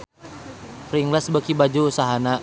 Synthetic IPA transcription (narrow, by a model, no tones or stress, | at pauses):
fɾiŋlasbəkibad͡ʒuːsaɦana